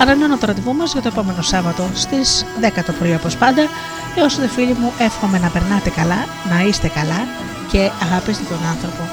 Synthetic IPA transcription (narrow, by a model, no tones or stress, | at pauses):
ɐɾɐinonɐt̪oɾot̪ivumɐzʝɐt̪o̞epo̞me̞no̞sɐvɐt̪ost̪iz̥ðe̞kɐt̪opɾoiɐpo̞spɐnd̪ɐ | eosot̪ofiʎimuʔe̞fxo̞me̞nɐpe̞ɾnɐt̪e̞kɐlɐ | nɐist̪e̞kɐlɐ | ce̞ɐɣɐpist̪et̪onɐnθɾo̞po̞